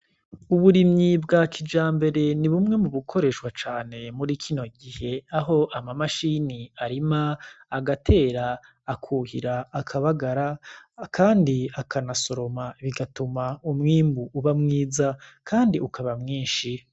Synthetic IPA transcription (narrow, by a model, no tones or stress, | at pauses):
uβuɾimɲibɡakʰid͡ʒaːmbe̞ɾe̞niβumŋe̞muβukʰo̞ɾe̞ːʃwat͡ʃaːne̞muɾikʰino̞ɡihe̞aɦo̞ʔamamaʃiːniaɾimaːɡatʰe̞ːɾaː | kʰuːhḭɾaːkʰaβaɡaɾakʰaːndiakʰanaso̞ɾo̞maβiɡatumaumŋiːmbuːβamŋiːzakʰaːndiʔukaβamŋiːnʃi